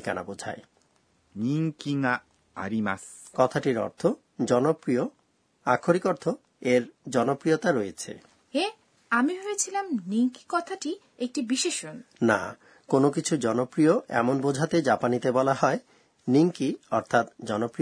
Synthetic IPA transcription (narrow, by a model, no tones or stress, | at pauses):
ka̰na̰bod͡ʑʱa̰e | niŋkiŋa | a̰ɾimaskɔt̪ʰaʈiɾɔ̰ɾt̪ʰo | d͡ʑɔnopɾio | akʰːoɾikɔɾt̪ʰo | eɾd͡ʑɔnopɾijot̪aɾojet͡ɕʰḛ | e | amiɦojet͡ɕʰilamniŋki̥kɔt̪ʰaʈi | ek̚ʈibiʃeʃonna̰ | konokit͡ɕʰud͡ʑɔnopɾioʔɛ̰monbod͡ʑʱat̪ed͡ʑapanit̪ebɔlaɦɔe | niŋkiɔɾt̪ʰat̪d͡ʑɔnopɾio